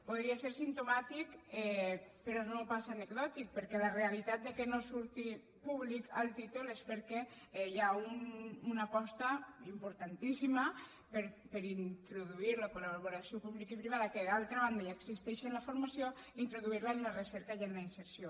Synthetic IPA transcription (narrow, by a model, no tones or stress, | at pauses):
poðɾiaseɾsint̪umat̪ikɛpeɾɔnopasaːneɡðɔt̪ik̚pəɾkɛlarealit̪at̪̚d̪ekenosuɾt̪i | puβlikalˠt̪it̪ulespəɾkɛ | ɛjaununapɔst̪aimpuɾt̪ant̪isima | peɾpəɾint̪ɾuðuiɾləkolaββoɾasiopuβlikipɾiβaðakeðalˠt̪ɾaβand̪ajaeɡsist̪ɛʃenlafoɾmasjo | int̪ɾuðuiɾlaenunəresɛɾkajannainseɾsjo